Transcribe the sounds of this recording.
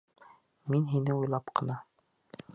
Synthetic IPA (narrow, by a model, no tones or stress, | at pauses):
minɦinɘujlˠɑpqʰɤ̆nɑ